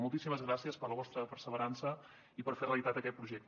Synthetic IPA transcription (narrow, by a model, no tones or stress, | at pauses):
mulˠt̪isiməzɣɾasiəspərləβ̞ɔst̪ɾəpərsəβəɾansə | ipəɾfereəlit̪at̪əkɛt̪̚pɾuʒɛk̚t̪